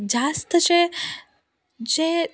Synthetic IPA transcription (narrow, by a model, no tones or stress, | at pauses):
d͡ʒast̪t͡ʃʰe | d͡ʒe